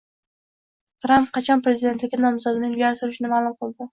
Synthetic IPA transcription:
t̪ɾampqʰɑt͡ʃʰɒnpɾe̞zid̪e̞nt̪lɪkʲːɪnɒmzɒd̪ɪnɪŋjjaɾsʊɾɪʃɪnɪmalˠʊmqʰɨlˠd̪ɪ

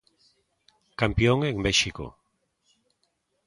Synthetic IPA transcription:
kampjoŋẽŋbeʃiko̰

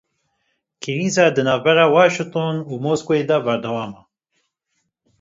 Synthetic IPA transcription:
kʰiɾiːzaːd̪ɨnaːvbɛɾaːwaːʃɨŋt̪onuːmoːskoed̪abɛɾd̪ɛwaːma

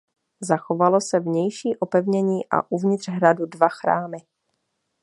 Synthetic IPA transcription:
zaxovalosɛvɲɛjʃiːʔopɛvɲɛɲiːʔa̰ʔuvɲɪt̪r̥ɦɾadudvaxɾa̰ːmɪ

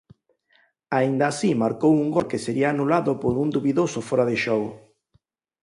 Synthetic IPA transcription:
aind̪aːsimaɾkowuŋɡɔlkeseɾiaːnulaðʊpoɾund̪uβiðosʊfɔɾaðeʃɔɣʊ

